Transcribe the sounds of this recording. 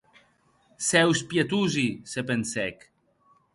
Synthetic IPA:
sɛwspjet̪uzisepensɛk

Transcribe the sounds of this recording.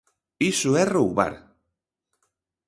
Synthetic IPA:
isʊɛrowβa̰ɾ

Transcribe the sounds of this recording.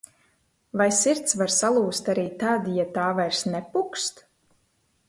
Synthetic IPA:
vajsiɾt̪svaɾsalˠuːst̪aɾiːt̪ad̪jat̪aːvajɾsnɛpukst̪

